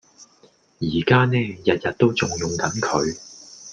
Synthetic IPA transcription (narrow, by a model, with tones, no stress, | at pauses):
jiː˨˩kaː˥nɛː˥jɐ˨t̚jɐ˨t̚t̪o˥wt͡sʊ˨ŋjʊ˨ŋkɐ˨˥nkʰɵ˨˧ɥ